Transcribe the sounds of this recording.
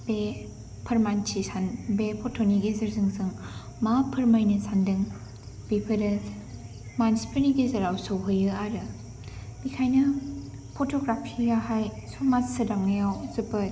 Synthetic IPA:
be | pʰɯɾmant͡ʃʰisanbepʰotʰoniɡezɯɾzɯŋzɯŋ | mapʰɯɾmajnɯsʰandɯŋ | b̥ipʰɯɾɯs | manspʰiniɡezɐɾawsowɦɯjɯaɾɯ | bikʰajnɯ | pʰotʰoɡɾapʰijaɦajsomatsɯdaŋnɯjawzɯpɯt̚

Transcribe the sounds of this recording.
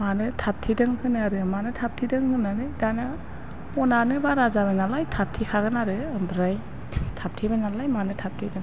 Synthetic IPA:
manɯtʰap̚tʰidɯŋhɯnaɾɯmanɯtʰap̚tʰidɯŋhɯnanɯdana | pɔnanɯbaɾazaβanalajtʰap̚tʰikʰaɡɯnaɾɯmbɾaj | tʰap̚tʰibanalajmanɯtʰap̚tʰidɯŋ

